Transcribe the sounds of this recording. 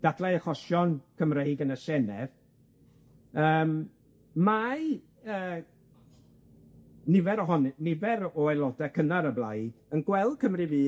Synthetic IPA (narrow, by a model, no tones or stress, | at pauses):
d̥adlˠɛəχɔsjɔnkʰəmrejɡənəsɛnɛv | əːm | maj | əː | nɪvɛɾɔɦɔnɪnɪvɛɾɔɛlˠɔdakʰənaɾəblˠajənɡ̥wɛlˠd̥̚kʰəmrɪviː